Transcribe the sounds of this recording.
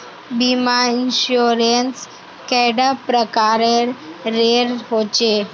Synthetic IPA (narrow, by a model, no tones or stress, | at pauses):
bimainɕuɾens | kɛɽapɾəkaɾeɾːeɾɦot͡ɕe